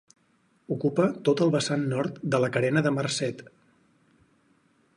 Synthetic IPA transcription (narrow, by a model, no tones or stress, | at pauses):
ukupət̪ot̪əlˠβəsanːɔɾt̪d̪ələkəɾɛnəðəmərsɛt̪